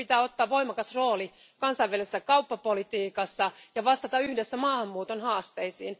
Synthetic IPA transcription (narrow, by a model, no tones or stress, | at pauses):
it̪æːot̪ːɑːʋʋoimɑkɑsroːli | kɑnsɑiʋʋælesːækɑupːɑpolit̪iːkɑsːɑjɑʋɑst̪ɑt̪ɑyhdesːæmɑːhɑmːuːt̪onhɑːst̪eisḭːn